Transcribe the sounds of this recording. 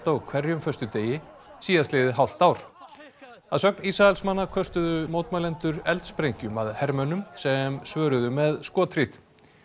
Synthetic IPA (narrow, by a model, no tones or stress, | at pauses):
t̪akʰvɛɾjʏmfœst̪ʏt̪eːjɪ | siːðaslɪːðɪɦawl̥t̪awɾ̥ | aðsœk̚nisaɛlsmanːakʰœst̪ʏðʏmoːwt̪malɛnt̪ʏɾɛlt̪spɾejɲcʏmaðhɛɾmœnʏmsɛmsvœːɾʏðʏmɛðskɔːt̪ʰɾit̪